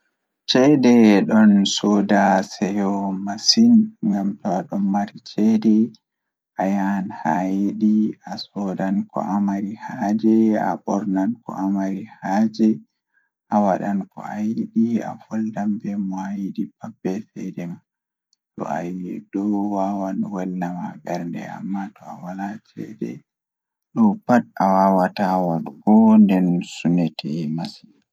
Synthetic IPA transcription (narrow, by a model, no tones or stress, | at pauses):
t͡ʃɛdɛɗɔnsɔdasɛjɔmasinŋɡamtɔwɗɔnmaɾit͡ʃɛdɛ | ʔajanhajiɗiasɔdankɔ̰ʔamaɾihad͡ʒɛa̰ɓɔɾnankɔ̰ʔamaɾihad͡ʒɛ | ʔawaɗankɔ̰ajiɗia̰fɔldambɛmajiɗipabːɛfɛdɛma | tɔ̰a̰jiɛdɔwawanwanːamaɓɛɾndɛ̰a̰mːatʰɔawalat͡ʃʰɛ̰dɛ̰ | ɗɔpat̚awawatawaɗɡɔndɛnsunɛtʰɛmasi̥